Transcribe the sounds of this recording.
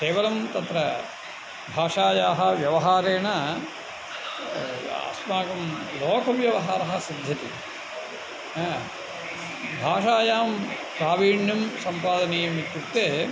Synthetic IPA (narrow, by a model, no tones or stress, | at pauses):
keːʋɐlɐmt̪ɐt̪ɾɐ | bʱaːʂaːjaːɦɐʋjɐʋɐɦaːɾeːɳɐ | a̰ːsmaːkɐmloːkʰɐʋjɐʋɐɦaːɾɐɦɐsid̪ʱːɐt̪i | bʱaːʂaːjaːm | kɾaːʋiːɳjɐmsɐmpaːd̪ɐneːjɐmit̪ːut̪ːeː